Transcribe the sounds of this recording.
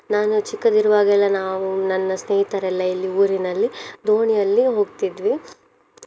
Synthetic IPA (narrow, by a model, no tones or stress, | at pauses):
naːnut͡ʃikːɐd̪iɾuʋaːɡɛlːɐnaːʋunɐnːɐsneːɦit̪ɐɾɛlːɐilːiuːɾinɐlːid̪ʱoːɳijɐlːiɦo̞ːɡt̪id̪ʋi